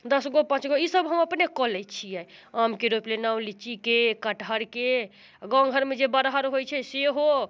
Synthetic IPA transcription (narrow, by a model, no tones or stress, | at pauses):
d̪əsɡopãt͡ʃɡoisəbɦəməpnekɔlɛt͡ʃʰijɛjamkeɾoplenaũw̃lit͡ʃikekəʈɦəɾke | ɡɔ̃ŋɡʱəɾmed͡ʒebəɾɦəɾɦojt͡ʃʰɛseɦo